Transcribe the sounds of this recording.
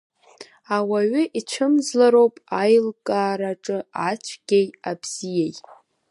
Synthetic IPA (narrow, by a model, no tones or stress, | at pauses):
awaɥʏʔit͡ʃʷʰɨmzlaɾowpʼajlkʼaːɾaʈ͡ʂʼɨat͡ʃʷʰɡʲejabz̥ijejtʼ